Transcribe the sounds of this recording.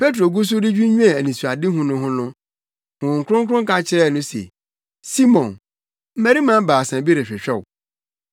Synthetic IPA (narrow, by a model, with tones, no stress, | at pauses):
pʰe˦t̬ɾo˨ɡʊ˦s̬ʊ˦dɪ˦d͡ʑᶣu˦ɲᶣũ˦ɛ̃˨æ˨nĩ˨su˨a˨dɪ˦ɦũ˨nʊ̃˦ɦʊ̃˦nʊ̃˦ | hʊ̃˨ŋ̩˨kʰʊ˦ʊ̃˦ŋ˦kʰɾʊ̃˦ŋ˦ka˦t͡ɕʰɪ˦ɾɛ˦˨nʊ̃˦sḛ˨ | si˦mɔ̃˨n | m̩˦mæ˨˦ɾi˦mã˦m˦baː˨sã˨bi˦ɾe˨ɕᶣɛ˨ɕᶣɛ˦˨wʊ˨